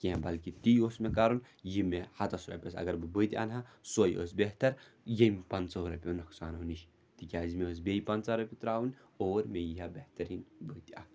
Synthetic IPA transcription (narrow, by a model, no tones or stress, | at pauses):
kiɦãbɐlkit̪iosmekaɾun | jimehɐt̪ɐsuɾɐ̰pʲosɐ̰ɡɐɾbɨbɨt̪ia̰ːnɦãsoj̰ʔo̰s̬beɦt̪ɐɾ | jempɐnt͡soɦɾɐpʲonɐksaːnɦuniʃ | t̪ikʲaːzimeos̬bʲeipɐnt͡saɾɐpʲit̪ɾaːwunoːɾmejiɦabeht̪ɐɾiːnbɨt̪ia̰ː